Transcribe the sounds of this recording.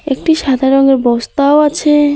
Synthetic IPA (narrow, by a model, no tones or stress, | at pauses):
ek̚ʈiʃad̪ʱaɾoŋeɾbɔst̪aoat͡ɕʰe